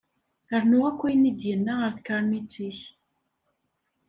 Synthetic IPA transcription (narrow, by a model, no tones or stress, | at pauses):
əɾnʊʁækʷːijənid̪jənːaʁəɾθkəɾˤmit͡sːiç